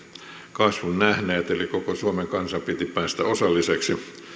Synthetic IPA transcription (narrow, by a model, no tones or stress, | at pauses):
kɑsʋunnæhneːt̪elikokosuomeŋkɑnsɑpit̪ipæːst̪æosɑlːiseksi